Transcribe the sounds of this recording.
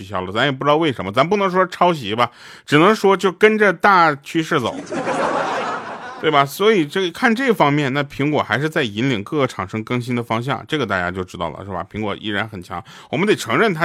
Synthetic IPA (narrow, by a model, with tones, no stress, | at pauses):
y˧˩ɕjɑ˥˩ʊlə˩t͡sa˧˥mjɛ˨˩pʈ͡ʂɻt̪ɑ˥˧we˥˩ɪʂə˧˥nmə˧t͡sa˧˥m˥pu˥˩nɤ˧˥ŋʂwɔ˥˧ʈ͡ʂʰɑ˥ʊɕ̬i˧˥bɐ˧ | ʈ͡ʂɻ̩˨˩nɤ˧˥ŋʂwɔ˥t͡ɕjo˥˩ʊkə˥nʈ͡ʂə˧t̪a˥˩t͡ɕʰy˥ʂɻ̩˥˩t͡so̰˨˩˦ʊ | t̪we˥˩ɪbɐ˩swɔ˧˥i˨˩ʈ͡ʂɤ˥˩˧kʰa˥˧nʈ͡ʂɤ˥˩ɡfɑ˥ŋmjɛ˥˧nna˥˩pʰi˧˥ŋkwɔ̰˨˩xa˧˥ɪʂ̬ɻ̩˥˧t͡sa˥˩ɪi˧˥nli˨˩ŋkɤ˥˩ʈ͡ʂʰɑ˨˩ŋʂɤ˥ŋkɤ˥˩ŋɕ̬i˥nd̪ə˨fɑ˥ŋɕ̬jɑ̰˥˩ŋʈ͡ʂɤ˥˩ɡə˩t̪a˥˩t͡ɕja˥t͡ɕjo˥˩ʊʈ͡ʂɻ̩˥t̪ɑ˥˩ʊlə̰˩ʂɻ̩˥˩bɐ̰˩pʰi˧˥ŋkwɔ̰˨˩ʔḭ˥˩ɻa˧˥nxə˨˩nt͡ɕʰjɑ̰˧˥ŋwɔ˨˩mə˦nt̪e˨˩ɪʈ͡ʂʰɤ˧˥ŋɻə˥˩nt̪ʰa˥